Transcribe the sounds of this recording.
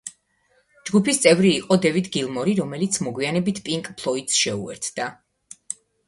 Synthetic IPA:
d͡ʒɡupʰist̪sʼɛvɾiːqʼɔd̪ɛvid̪ɡilˠmɔɾiɾɔmɛlit̪sʰmɔɡwianɛbit̪ʰpʼiŋkʼpʰlˠɔit̪sʃɛṵɛ̰ɾt̪ʰd̪̥a

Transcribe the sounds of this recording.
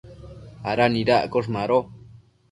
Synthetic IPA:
aɾanĩɾaʔkoʂ̬maɾo

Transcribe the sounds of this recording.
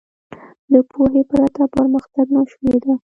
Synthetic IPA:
d̪əpʰoɦepəɾat̪apəɾməxt̪aɡnaʃmed̪a

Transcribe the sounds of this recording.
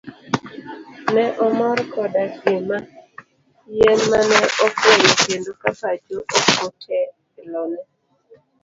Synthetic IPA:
nɛʔɔmɔɾkʰɔdaɡema | jɛnmanɛʔɔkwenkendokapad͡ʒoʔokotʰɛkɪlɔnɛ

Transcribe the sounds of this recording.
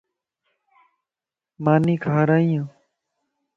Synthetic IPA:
maːniːkʰaːɾaːĩjãː

